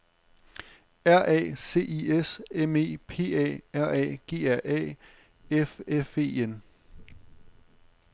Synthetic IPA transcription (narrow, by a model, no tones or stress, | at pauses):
æɐ̰ʔɛ̰ːse̝̰ːʔieseme̝̰ːpʰe̝̰ːɛ̰ːæɐ̰ʔɛ̰ːɡ̥e̝̰ːæɐʔɛ̰ː | efefe̝̰ːen